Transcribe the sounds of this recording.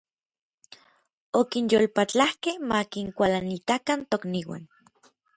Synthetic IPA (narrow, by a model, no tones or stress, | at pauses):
okinjolpat͡ɬahkehmakiŋkʷalanit̪akant̪okniwa̰n